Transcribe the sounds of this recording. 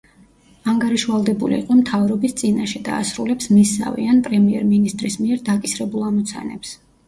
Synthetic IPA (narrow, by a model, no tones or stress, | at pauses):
aŋɡaɾiʃvalˠd̪ɛbulḭːqʼɔmt̪ʰavɾɔbist̪sʼinaʃɛd̪a̰ːsɾulɛpsmisa̰vḭanpʼɾɛmiɛɾminist̪ʼɾismiɛɾd̪akʼisɾɛbulˠamɔt̪sʰa̰nɛ̰ps